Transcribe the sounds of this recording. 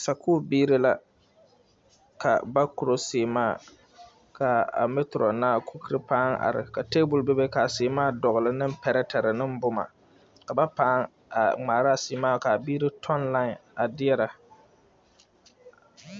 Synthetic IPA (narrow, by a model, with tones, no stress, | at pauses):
sa˨kuː˦biː˦ɾɪ˦la˦ | ka̰˨ba˦kʊ˨ɾo˦seː˨maː˦˨ | ka˨a̰˨me˦tɾɔ˨naː˦kʰu˦ki˦ɾɨ˦paː˦ŋa̰˨ɾɪ̰˨ka˨te˦bʊ˨lbe˦be˦ka˨sɪː˨maː˦˨dɔ˨ɣlɨ˨nɨ˦m˦pɛ˨ɾɛ˦tɛ˨ɾɪ˨nɨ˦m˦bʊ˦ma̰˨ | ka˨ba˦paː˦ŋ | a˨ŋ͡maː˨ɾa˦˨sɪː˨˦maː˦˨ka˨biː˦ɾɪ˦tʰɔ˦nla˦˨na˨dɪ˦ɛ˦ɾa˨